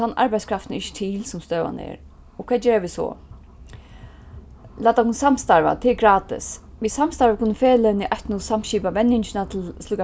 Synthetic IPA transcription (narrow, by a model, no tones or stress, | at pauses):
anʔa̰ɹbajskʰɾaft̪nəɪçʃə̥t̪ʰiːlsʊmst̪øːʋa̰nə̰ɛ̰ːɹ | ʊkʰvɛːd͡ʒeːɹaʋɪsɔ̰ | læːt̪akʊnsamst̪aɹʋa̰t̪ʰeɛɡɹaːt̪ɪ̰sʋisamst̪aɹʋakʰʊnːəfeːlaɪniʔœht̪nʊsam̥ʃiːpamɛnːɪɲt͡ʃɪnat̪ʰɪlsluːka